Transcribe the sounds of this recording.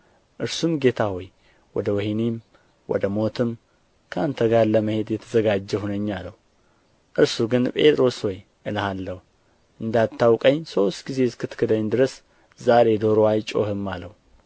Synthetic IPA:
ʔɨɾsumɡe̞t̪ʰaho̞j | wɔd̪əwɛhinim | wɔ̰d̪əmo̞t̪ʰɨm | kʰəʔant̪ʰəɡaɾləməhe̞d̪jɛt̪ʰəzəɡad͡ʒːɛhunəɲːalːəhu | ʔɨɾsuɡɨnpʼe̞t̪ʼɾo̞sho̞j | ʔɨlahalːəhu | ʔɨnd̪at̪ʰːawkʼəɲːso̞st̪ɡize̞skʰɨt̪kʰɨd̪əɲːd̪ɨɾəs | zaɾe̞d̪oɾoajt͡ʃʼo̞̰hɨmːaləhu

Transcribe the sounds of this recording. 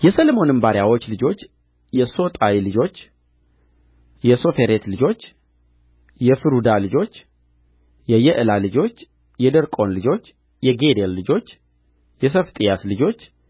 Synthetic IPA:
jɛsəlmo̞nɨmbaɾjawo̞t͡ʃːlɨd͡ʒo̞t͡ʃː | jɛso̞t̪ʼawilɨd͡ʒo̞t͡ʃː | jɛso̞fe̞ɾet̪lɨd͡ʒo̞t͡ʃː | jɛfɨɾud̪alɨd͡ʒo̞t͡ʃː | jɛjɛʔɨlalɨd͡ʒo̞t͡ʃː | jɛd̪əɾkʼo̞nlɨd͡ʒo̞t͡ʃː | jɛɡed̪elːɨd͡ʒo̞t͡ʃː | jɛsəft̪ʼijaslɨd͡ʒo̞t͡ʃː

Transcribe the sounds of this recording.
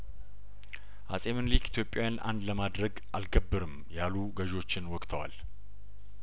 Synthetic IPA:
ʔasʼe̞mɨnlikit̪ʰjo̞pʼjawjanʔa̰nd̪ləmad̪ɾəɡʔalɡəbːɨɾɨm | jaluɡəʒo̞t͡ʃːɪnwɔkʼt̪ʰəwa̰l

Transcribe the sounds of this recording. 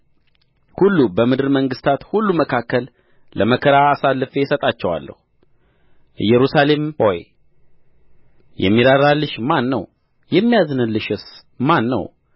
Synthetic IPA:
hulːubəmɨd̪ɨɾməŋɡɨst̪ʰat̪hulːuməkʰakːəl | ləməkʰəɾaːsalːɨfejsət̪ʼat͡ʃːɛwa̰lːə̰hu | ɨjɛɾusale̞mhoj | jʔɛ̰mːiɾaɾalːɨʃmanːə̰w | jɛmːijazɨnɨnlːɨʃɨs | manːə̰w

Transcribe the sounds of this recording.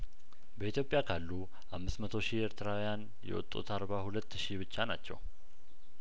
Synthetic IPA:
bəit̪ʰjo̞pʼjakʰalːu | ʔamːɨsmət̪ʰo̞ʃieɾt̪ʰɨɾawijan | jɛ̰wɔ̰t̪ʼːṵt̪ʰaɾbahulət̪ːʃiβɨt͡ʃːana̰t͡ʃːɛ̰w

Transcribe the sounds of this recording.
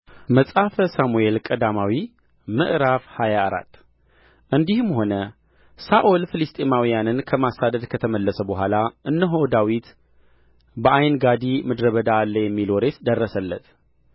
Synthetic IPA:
məsʼafəsamue̞lkʼəd̪amawi | mɨ̰ʔɾafhajaːɾa̰t̪ː | ʔɨnd̪ihɨmho̞nə | saʔolfɨlɨst̪ʼemawijanɨnkʰəmasad̪əd̪kʰət̪ʰəməlːəsəbəɦʷalaʔɨnːəɦod̪awit̪ | bəʔajnɡad̪imɨd̪ɾəβəd̪aːlːəjɛmːiloɾe̞t̪d̪ərːəsəlːət̪

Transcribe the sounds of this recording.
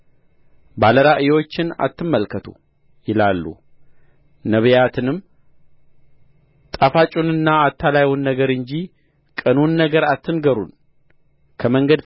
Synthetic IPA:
baləɾaʔɨjwo̞t͡ʃːɪna̰t̪ʰːɨmːəlkʰət̪ʰṵ | jɪlalːṵ | nəβjat̪ʰɨnɨm | t̪ʼafat͡ʃʼunɨnːaːt̪ʰːalajwunːəɡəɾɨɲd͡ʒi | kʼənunːəɡəɾat̪ːɨnɡəɾṵn | kʰəməŋɡəd̪

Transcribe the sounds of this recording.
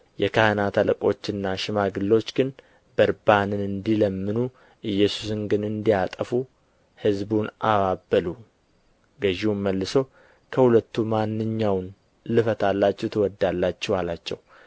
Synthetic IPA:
jɛkʰahənat̪ʰaləkʼo̞t͡ʃːɨnːaʃɪmaɡɨlːo̞t͡ʃːɡɨn | bəɾbanɨnɨnd̪iləmːɨnu | ʔɨjːɛsu̥sɨŋɡɨnɨnd̪ijat̪ʼəfu | hɨzbunʔaβabːəlu | ɡəʒiwunməlːɨso̞ | kʰəhulət̪ːumanːɨɲːawn | lɨfət̪ʰalːat͡ʃːɛt̪ʰɨwɔd̪ːalːat͡ʃːɛwalat͡ʃːɛ̰w

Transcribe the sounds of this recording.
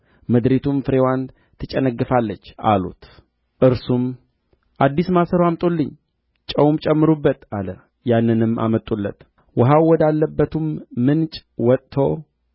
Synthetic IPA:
məd̪ɾet̪ʰumfɨɾewan | t̪ʰɨt͡ʃʼɛnəɡːɨfalːət͡ʃːa̰lṵt̪ | ʔɨɾsum | ʔad̪ːismasəɾwamt̪ʼolːɨɲː | t͡ʃʼəwmt͡ʃʼɛmːɨɾubːət̪alə | janːɨnɨmːa̰mət̪ʼːulːə̰t̪ | wɔɦawwɔd̪alːəbːət̪ʰumːɨnt͡ʃʼwɔt̪ʼt̪ʰo

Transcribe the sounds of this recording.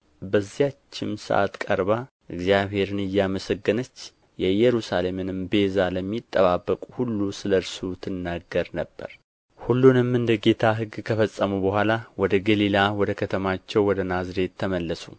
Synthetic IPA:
bəzːihat͡ʃːɪmsə̰ʔa̰t̪kʼə̰ɾβa | ʔɨɡzijaβhe̞ɾɨnɨjːaməsəɡːɨnət͡ʃː | jɛjɛɾusale̞mɨnɨmbe̞zaləmːit̪ʼːəβabːəkʼuhulːusɨləɾsut̪ʰːɨnːaɡəɾnəbːə̰ɾ | hulːunɨmɨnd̪əɡe̞t̪ʰaɦɨɡkʰəfəsʼːəmubəhʷalawɔd̪əɡəlilawɔd̪əkʰət̪ʰəmat͡ʃːɛwwɔd̪ənazɾe̞t̪ʰːəməlːəsu

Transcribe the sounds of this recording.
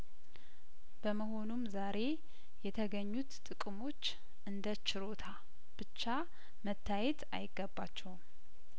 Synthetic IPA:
b̥əməɦo̞numzaɾe̞ | jɛt̪ʰəɡəɲːut̪t̪ʼɨkʼmo̞t͡ʃː | ʔɨnd̪ət͡ʃɪɾo̞t̪ʰa | b̥ɨt͡ʃːa | mət̪ʰːajɛt̪a̰jɪɡːəbːat͡ʃːɛwm

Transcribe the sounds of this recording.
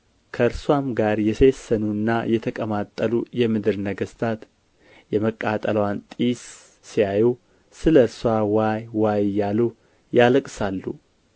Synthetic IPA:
kʰəɨɾswamɡaɾjɛsesːənunːajɛt̪ʰəkʼəmat̪ʼːəlujɛmɨd̪ɨɾnəɡəst̪ʰat̪ | jɛməkʼːat̪ʼələwant̪ʼisː | ijajɛw | sɨləɨɾswawajwajjːalu | jaləkʼsalːu

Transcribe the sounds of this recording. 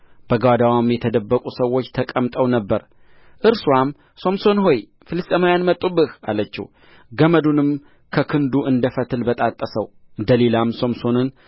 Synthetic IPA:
b̥əɡwad̪awamjɛt̪ʰəd̪əbːəkʼusəwːo̞t͡ʃːt̪ʰəkʼəmt̪ʼəwnəbːəɾ | ʔɨɾswam | so̞mso̞nɦo̞j | fɨlɨst̪ʼəmajanmət̪ʼːubɨhalət͡ʃːɪ̰w | ɡəməd̪unɨm | kʰəkʰɨnd̪uʔɨnd̪əfət̪ʰɨlbət̪ʼat̪ʼːəsəwɨnd̪əlelamso̞mso̞nɨn

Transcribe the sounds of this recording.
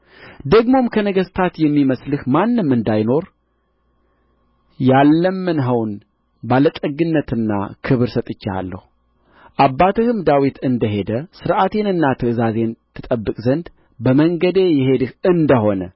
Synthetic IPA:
d̪əɡmo̞mkʰənəɡəst̪ʰat̪jɛmːiməslɨhmanːɨmːɨnd̪ajno̞ɾ | jalːəmːɨnɦəwn | balət̪ʼəɡɨnːət̪ɨnːa̰kʰɨβɨɾsət̪ʼɨt͡ʃːa̰lːə̰hu | ʔabːat̪ʰɨhɨmd̪awit̪ʰɨnd̪əɦe̞d̪əsɨɾʔat̪ʰe̞nɨnːat̪ʰɨɨzaze̞nt̪ʰɨt̪ʼəbːɨkʼzənd̪ | bəməŋɡəd̪e̞jɛhe̞d̪ɨhɨnd̪əɦo̞nə

